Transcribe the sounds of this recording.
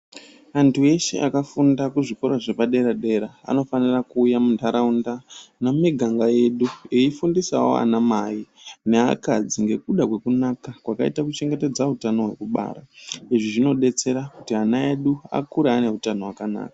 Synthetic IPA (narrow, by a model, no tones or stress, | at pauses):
antʰue̞ʃḛʔakafundakuʐikoɾaʐepaɗe̞ɾaɗe̞ɾaa̰no̞fanirakuːjamuntaɾaundanomiɡʱaŋɡaje̞ɗueifundisa̰wo̞̰a̰namaine̞a̰kad͡ziŋɡe̞kuɗakwe̞kunakakwakaitakut͡ʃe̞ŋɡe̞te̞d͡zautano̞ɦwe̞̰kuɓa̰ːɾa̰iʐiʐino̞ɗe̞t͡se̞ɾakutianae̞ɗua̰kuɾeane̞utano̞wakana̰ːkḁ